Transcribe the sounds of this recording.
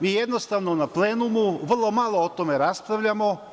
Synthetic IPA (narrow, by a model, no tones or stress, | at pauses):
miːjed̪nost̪aʋnonapleːnumuʋrlˠo̞malˠoot̪omeɾaspɾaʋʎʲamo̞